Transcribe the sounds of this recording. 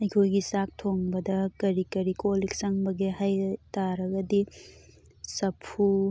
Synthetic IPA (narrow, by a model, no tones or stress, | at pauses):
ɐjkʰojɡisak̚tʰoŋbɐdɐkɐɾikɐɾikolik̚sɐŋbɐɡehajtaɾɐɡɐdi | sɐpʰu